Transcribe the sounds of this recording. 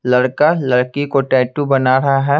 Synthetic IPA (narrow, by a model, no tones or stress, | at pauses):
lɐɽkalɐɽkikoʈɛːʈubɐnaːɾɐɦaɦɛː